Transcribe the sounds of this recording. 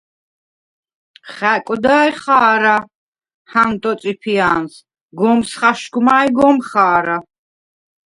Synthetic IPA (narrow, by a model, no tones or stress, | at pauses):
χɛkʼɔd̪aːjχaːɾa | hant̪ʼɔt̪sʼipʰiaːns | ɡɔmsχaʃɡmaːjɡɔmχaːɾa